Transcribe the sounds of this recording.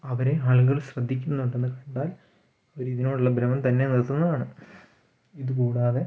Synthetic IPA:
ɐʋɐɾe̞aːɭɣɐɭɕrɐd̪ʱːikʲːunːɐuɳɖenːɨkɐɳɖaːl | oɾiiðinoːɽuɭːɐbɾɐmɐmt̪ɐnːenilt̪unːɐðaːɳɨ | iðuk̬uːɽaːðe̞

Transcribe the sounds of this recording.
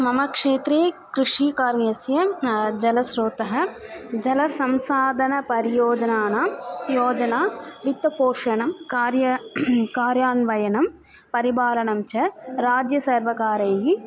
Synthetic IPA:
mɐmɐkʂeːt̪ɾeːkɾɪʂiːkaːɾʋeːsjɐd͡ʒɐlɐsɾoːt̪ɐɦɐd͡ʒɐlɐsɐmsaːd̪ʱɐnɐpɐɾɪjoːd͡ʒɐnaːnaːjoːd͡ʒɐnaːʋit̪ːɐpoːʂɐnɐmkaːɾjɐkaːɾjaːnʋɐjɐnɐm | pɐɾibaːlɐnɐmt͡ʃɐɾaːd͡ʒjɐsɐɾʋɐkaːɾɐːji

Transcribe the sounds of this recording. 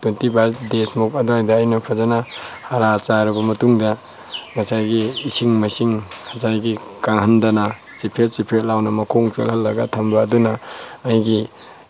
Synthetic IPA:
tuntibadesmukɐduajdɐːjnɐpʰazanahaɾat͡ʃaɾɐbɐmɐtuŋdɐ | mɐsajɡiːsiŋmɐsiŋhɐzajɡikaŋɦɐndana | sipʰet̚t͡ʃipʰet̚lawnɐmɐkʰoŋt͡ʃelɦɐlːɐɡatʰɐmbaːdunaːjɡi

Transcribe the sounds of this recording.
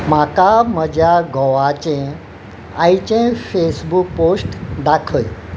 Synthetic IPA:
makaməd͡ʑʱjaɡʱɔʋat͡ɕẽ | ajt͡ɕẽfesbuk̚posʈd̪akʰəj

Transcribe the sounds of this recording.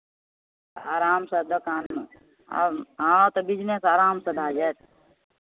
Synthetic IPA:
aːɾaːmsɐd̪ɐkaːnm̰ | ɦãːat̪ɐbid͡ʒnesaːɾaːmsɐd̪ʱaːd͡ʒet̪̚

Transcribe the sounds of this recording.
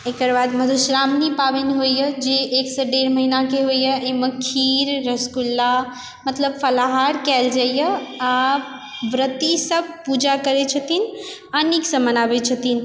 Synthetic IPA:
ekəɾbad̪məd̪ʱuʃɾamnipabenɦojjəd͡ʒeʔːksəɖeɾməɦinakeɦojjəiməkʰiɾːəskulːa | mət̪ləbpʰəlaɦaɾkɛld͡ʒajəa | bɾət̪isəb̚ʱpud͡ʒakəɾɛt͡ʃʰət̪in | əniksə̃mənabɛt͡ʃʰət̪in

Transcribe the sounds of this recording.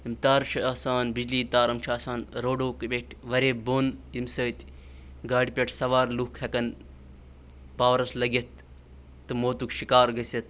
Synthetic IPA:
imt̪aːɾt͡ʃʰɐaːsaːnbid͡ʒliːt̪aːɾɐmt͡ʃʰaːsaːnɾoːɖoːkbʲeʈʰʋɐɾeːboːnimsəːt̪ʲ | ɡaːɽipʲeʈʰsɐʋaːɾluhkʰhɐkɐn | paːʋɐɾɐslɐɡet̪̚ː | ɨmoːt̪ukʃikaːɾɡɐsʲɐt̪̚

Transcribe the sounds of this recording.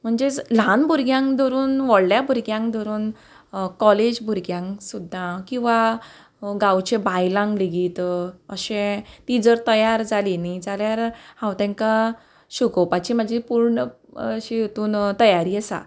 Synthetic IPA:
m̤əɳd͡zelãnbʱuɾɡjãŋkd̪ɔɾuːnʋɔɽljabʱuɾɡjãŋkd̪ʱɔɾuːn | kɔled͡ʑbʱuɾɡjãŋsud̪ʱːãkĩw̃ʋa | ɡãwt͡ɕẽbajlãŋɡliɡiːt̪əɕẽt̪id͡zəɾt̪əjaɾd͡zalinid͡zaljaɾhãwt̪ɛ̃ŋka | ɕuɡopat͡ɕimad͡ʑʱipuɾɳə | ɕijot̪uːnt̪əjaɾiːəsa̰

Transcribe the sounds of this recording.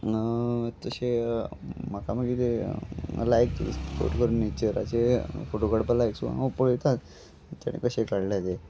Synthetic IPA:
t̪əɕe | makaməɡit̪e | lajk̪spo̰ʈkəɾunːet͡ɕəɾa̰t͡ɕefoʈoɡəɽpəlajksua̰əpoɭt̪at̪ | t̪a̰ɽ̃ḭkəɕekaɽljat̪e

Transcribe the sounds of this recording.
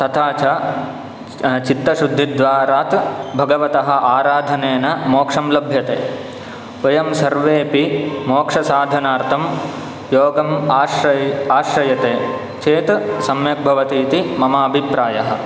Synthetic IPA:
t̪ɐt̪ʰaːt͡ʃɐ | t͡ʃit̪ːɐʃud̪ʱːid̪ʋaːɾaːt̪bʱɐɡɐʋɐt̪ɐɦɐ̆ʔaːɾaːd̪ʱɐneːnɐmoːkʂɐmlɐbʱjɐt̪eː | ɐjɐmsɐɾʋeːpimoːkʂɐsaːd̪ʱɐnaːɾt̪ʰɐm | joːɡɐmaːʃɐaːʃɾɐjɐt̪eː | t͡ʃeːt̪sɐmjɐk̚bʱɐʋɐt̪iːt̪imɐmaːɐbʱipɾaːjɐɦɐ̆

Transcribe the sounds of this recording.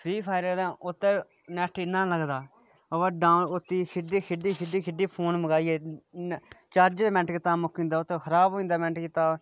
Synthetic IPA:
pʰɾiːpʰaːɪɾəːd̪ãːʔʊt̪ːe | nɛːʈʰinãːləɡd̪aː | əʋəɖaːnʊt̪ːiːkʰɪɖiːkʰɪɖiːkʰɪɖiːkʰɪɖiːpʰoːnməɡaːieː | t͡ʃaːɾd͡ʒmɛ̃ɳʈkɪt̪aːmʊkĩnd̪aːʊt̪ːexʰəɾaːbɦoːĩːnd̪aːmɛ̃ɳʈkit̪aː

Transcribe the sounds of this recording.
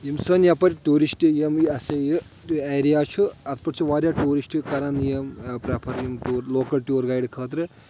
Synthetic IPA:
jimsəːnjapɐɾʲʈuːɾisʈɨjɐmjɐsejɨ | eːɾijaːt͡ʃʰuɐt̪ʰpɐʈt͡ʃʰiʋaːɾʲjaːʈuːɾisʈɨkɐɾɐnjɐmpɾɐpʰɐɾjimʈuːɾloːkɐlʈʲjuːɾɡaːjɖkʰəːt̪ɾɨ

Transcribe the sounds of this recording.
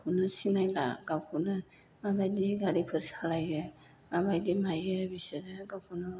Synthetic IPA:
pʰunɯsinajla̰ɡawkʰunɯ | abajdiɡaɾipʰɯɾsalajɡɯ | abajdimajɯbisɯɾɯɡawkʰunɯ

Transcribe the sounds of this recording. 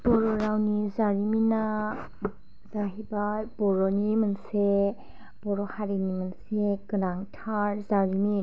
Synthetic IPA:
b̥ɔɾɔɾawnizaɾimina | zaɦibajb̥ɔɾɔnimɯnse | b̥ɔɾɔhaɾinimɯnsekɯnaŋtʰaɾzaɾimi

